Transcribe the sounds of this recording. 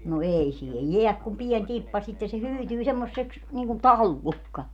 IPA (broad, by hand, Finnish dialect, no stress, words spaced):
no ei siːhej jeæk kum pien tipːɑ sitːen̞ se hyːtyː semːosːeks niːŋkum pɑlːukːɑ